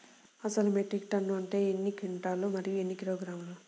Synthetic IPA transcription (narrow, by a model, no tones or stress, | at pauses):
ɐsɐlumeʈɾik̚ʈɐnːuɐɳʈe̞ːenːikiɳʈaːlumɐɾijuenːikiɾoːɡɾaːmlu